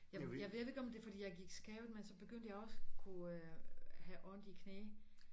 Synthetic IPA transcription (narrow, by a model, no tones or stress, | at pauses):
jɑjɑʋe̝e̝ɡ̥ɒ̽md̥e̝fɒdḭːjɑ̈ɪɡ̥iɡ̥sɡ̥ɛʊð̩ˠmensɒ̽b̥e̝ɡ̥øn̰d̥əjɑ̈ɪɒ̽səkʰuøhæʔɒnd̥ikʰneː